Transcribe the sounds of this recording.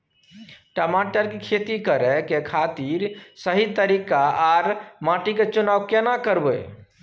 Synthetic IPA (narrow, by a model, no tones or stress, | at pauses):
ʈəmaʈəɾkekʰet̪ikəɾɛkekʰat̪iɾsəɦit̪əɾikaaɾmãʈiket͡ʃunaʋkenakəɾbə